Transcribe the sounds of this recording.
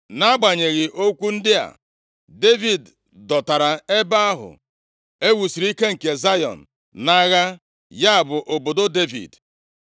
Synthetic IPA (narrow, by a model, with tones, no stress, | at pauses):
na˦ɡ͡ba˨ɲe˨ɣɪ˨ʔo˦kʷu˦n̩˦dɪ˦a̰˨ | de˦vi˨d | dɔ˨ta˨ɾa˨e˦ba˦a˦ɦʊ̰˨ | e˦wu˨si˨ɾi˦ke˦ŋ̩˨ke˨za˦jɔ̰˨n̩˨ | na˦ɣa˦ | ja˦a˨bʊ˨ʔo˨bo˨do˦de˦vḭ˨d